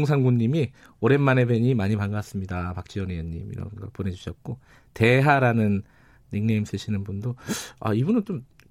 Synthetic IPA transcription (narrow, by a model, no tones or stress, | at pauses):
ŋs̬ʰaŋɡuɲːimi | oɾe̞nmane̞beɲimaɲipaŋɡas͈ɯmɲidapak̚t͡ɕ͈iʌnejʌɲːḭmḭɾa̰ɡa̰p͈one̞d͡ʑuɕʰʌt̚k͈o | te̞ɦaɾanɯnː | iŋneims͈ɯɕʰinɯnbundoa̰ibunɯnt͡ɕom